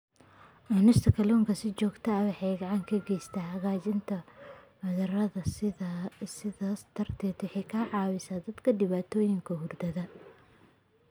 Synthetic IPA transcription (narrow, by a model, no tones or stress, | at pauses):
ɐnɪst̪ʰɐkʰɐlɔːŋkʰɐsɪt͡ʃɔːɡt̪ʰɐɐwɑħɑjɡɐʕɑŋkʰɐɡɛjst̪ʰaːhɐɣaːt͡ʃɪnt̪ʰɐwɐðɐrɐðɐ | sɪðɐst̪ʰɐrt̪ʰɛːt̪wɑħɛjkʰaːʕɑːwɪsaːd̪ɐd̪kʰɐɖɪβaːt̪ʰɔːjɪŋkʰɐɦʊrd̪ɐðɐ